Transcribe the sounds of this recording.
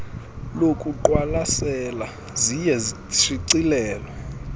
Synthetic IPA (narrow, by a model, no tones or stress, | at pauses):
lokʼuǃwalasɛla | zijɛzi | ʃiǀilɛːlwa